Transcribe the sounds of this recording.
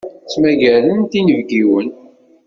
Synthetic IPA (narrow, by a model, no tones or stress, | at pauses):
t͡sːmæʝælənt̪inəvɡiwən